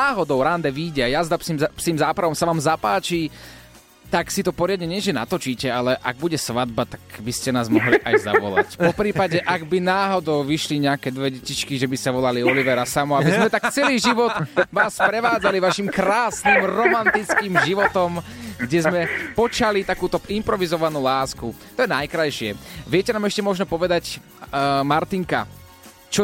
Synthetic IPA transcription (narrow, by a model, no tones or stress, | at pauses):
aːɦɔd̪ɔʊɾand̪ɛʋiːɟɛajazd̪apsimpsiːmzaːpɾaʋɔmsaʋaːmzapaːt͡ʃiː | t̪aksit̪ɔpɔɾɪad̪̚ɲɛɲɛʒɛna̰t̪ɔt͡ʃiːcɛalɛʔa̰ɡ̚buɟɛsʋad̪̚bat̪ḁkbiscɛnaːzmɔɦliʔa̰jza̰ʋɔ̰la̰cpɔpɾiːpaɟɛʔaɡbinaːɦɔd̪ɔʊʋiʃliɲɛakɛd̪ʋɛɟɛcit͡ʃkiʒɛbiscɛʋɔlaliɔliʋɛɾasamɔabizmɛt̪akt͡sɛliːʒiʋɔd̪ʋaːsːpɾɛʋaːd͡zaliʋaʃimkɾaːsnimɾɔmant̪it͡skiːmʒiʋɔt̪ɔmɡɟɛzmɛpɔt͡ʃalit̪akuːt̪ɔimpɾɔʋizɔʋanuːlaːskut̪ɔjɛnajkɾajʃɪɛʋɪɛcɛnaːmɛʃcɛmɔʒnɔpɔʋɛd̪ac | maɾt̪iŋka̰ | t͡ʃɔ